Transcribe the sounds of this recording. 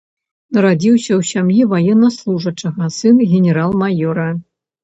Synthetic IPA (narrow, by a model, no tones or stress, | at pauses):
nɐɾadʲiwɕʲɐwɕʲamjivɐjenːɐslˠuʐɐt͡ʂɐ̆ɣɐsɨnɣʲenʲeɾalˠmajoɾɐ